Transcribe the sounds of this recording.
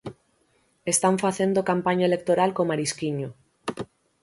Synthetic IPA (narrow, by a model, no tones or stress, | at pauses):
est̪aɱfaθend̪okampaɲaelek̚t̪oɾalkomaɾiskiɲo